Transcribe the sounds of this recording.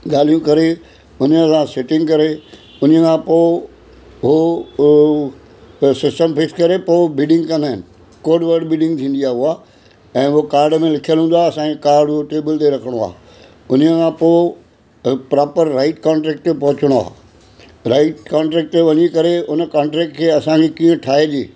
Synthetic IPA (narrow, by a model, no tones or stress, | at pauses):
ɡaːl̤ijũkɐɾe | ʊnəsãsɪʈɪ̃ŋɡkɐɾe | ʊnəkʰãpo | ɦo | sɪsʈəmfɪkskɐɾepoːbiːɖɪ̃ŋɡkɐ̃nd̪aːɦɪnɪ̆ | koːɖʋəɾɖbiːɖɪ̃ŋɡt̪ʰĩːn̆d̪iaːuaː | ɛ̃ːʊɦokaːɾɖmẽlɪkʰijəlɦũnd̪aːɐsãkekaːɾɖɦoʈeːbəlt̪eɾɐkʰəɽ̃oa̰ː | ʊnəkʰãpoː | pɾaːpəɾːaɪʈkãːɳʈɾɛːk̚ʈt̪epɐɦʊt͡ɕəɽ̃oa̰ː | ɾaːɪʈkãːɳʈɾɛːk̚ʈt̪eʋɐɲikɐɾeʊnəkaːɳʈɾɛːk̚ʈkʰeːɐsãkekiːə̃ʈʰaːed͡ʑeː